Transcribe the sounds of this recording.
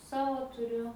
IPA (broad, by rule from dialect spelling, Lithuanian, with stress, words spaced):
ˈsɑːʋoː tʊˈrʲʊ